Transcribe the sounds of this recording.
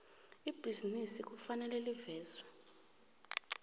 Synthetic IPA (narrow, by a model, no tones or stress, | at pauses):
ib̥ʱizinisik̬ʼufanɛlɛlivɛːz̥wɔ